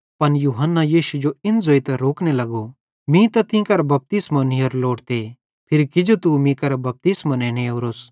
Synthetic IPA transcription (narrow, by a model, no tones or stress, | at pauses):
pɐnjuːɦənːajiːʃud͡ʒoɪnd͡zoːit̪ɐɾoːknelɐɡo | mĩt̪ɐt̪ɪ̃kɐɾbɐp̚t̪ɪsmɐniɐɾloːɽt̪e | pʰɪɾkɪd͡ʒot̪umĩkɐɾbɐp̚t̪ɪsmɐnɛ̃ːneoːɾoːs